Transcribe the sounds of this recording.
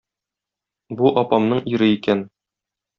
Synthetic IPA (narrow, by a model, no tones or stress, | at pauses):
buʔɒpɑmnɤɴiɾɘikæn